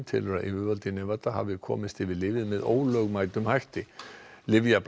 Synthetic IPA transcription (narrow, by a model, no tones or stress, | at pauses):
nt̪ʰɪlœɾaʔɪvʏɾvalt̪ɪnːɛvat̪aha̰vɪkʰɔ̰ːmɪst̪ɪvɪðlɪːvɪðmɛðo̰ːwlœɣmaːjt̪ʏmhajht̪ɪlɪvjap